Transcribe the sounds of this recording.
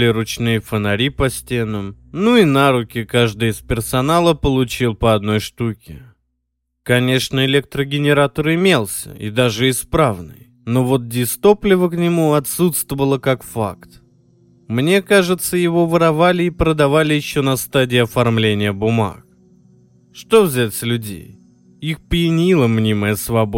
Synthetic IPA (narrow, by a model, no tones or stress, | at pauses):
lʲɪɾʊt͡ɕnɨjəfənɐɾʲipɐsʲtʲe̞nəm | nuinaɾʊkʲɪkaʐd̪ɨjɪspʲɪrsɐnalˠəpəlˠʊt͡ɕilˠpəɐd̪̚no̞jʂt̪ukʲɪ̰ | kɐnʲe̞ʂnəɪlʲek̚t̪ɾəɡʲɪnʲɪɾat̪əɾɪmʲe̞lˠsʲə̰ḭd̪aʐɨɪspɾavnɨ̰j | no̞vo̞t̪̚dʲɪst̪o̞plʲɪvəknʲɪmuɐt̪sut̪st̪vəvəlˠəkakfa̰kt̪ | mnʲe̞kaʐɨt̪səjɪvo̞vəɾɐvalʲɪːpɾəd̪ɐvalʲɪjɪɕːo̞nɐst̪adʲɪːɐfɐrmlʲenʲɪjəbʊma̰k̚ | ʂt̪o̞vzʲætʲsʲlʲʉdʲḛj | ixpəjɪnʲilˠəmnʲiməjəsvɐbo